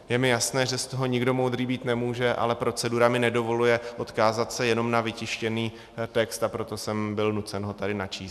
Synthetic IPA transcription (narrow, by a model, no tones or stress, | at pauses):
jɛmɪjasnɛːʒɛst̪oɦo̞ɲɪɡdo̞mowd̪ɾiːbiːt̪nɛmuːʒɛʔa̰lɛpɾo̞t͡sɛduɾamɪnɛdo̞vo̞lujɛʔo̞t̪kaːzat̪sɛjɛno̞mnavɪcɪʃcɛniː | t̪ɛkst̪apɾo̞t̪o̞sɛmbɪlnut͡sɛnɦo̞t̪adɪnat͡ʃiːs